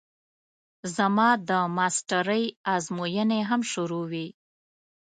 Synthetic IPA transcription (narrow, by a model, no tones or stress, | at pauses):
zamɑd̪əmɑsʈaɾəjɑzmojəneɦamʃʊɾowi